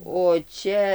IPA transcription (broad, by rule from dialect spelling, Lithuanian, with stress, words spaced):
oː ˈt͡ʃʲɛ